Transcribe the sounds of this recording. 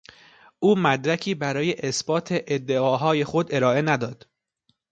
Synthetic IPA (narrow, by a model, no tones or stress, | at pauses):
ʔuːmæd̪ɾæcʰiːbæɾɒːje̞ʔesb̥ɒːt̪ʰe̞ʔed̪ːe̞ɒːɦɒːje̞xo̞d̪e̞ɾɒːʔe̞næd̪ɒːd̪̥